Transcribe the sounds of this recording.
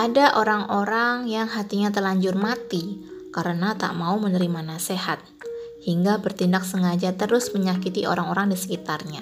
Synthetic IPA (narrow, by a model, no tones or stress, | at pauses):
ʔadaʔoɾaŋoɾaŋjaŋɦat̪iɲat̪əlaɲd͡ʒʊrmat̪ikaɾənat̪a̰ʔmaumənəɾimanasehat̪̚ | hiŋɡabərt̪indak̚səŋad͡ʒat̪əɾʊsməɲakit̪io̰ɾaŋoɾaŋdisə̥kit̪arɲa